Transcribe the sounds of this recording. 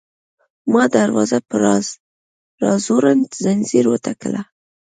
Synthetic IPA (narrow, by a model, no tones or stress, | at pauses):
mɑd̪aɾwɑzapəɾɑz | ɾɑzoɾant̪zanziɾwət̪ʰakəla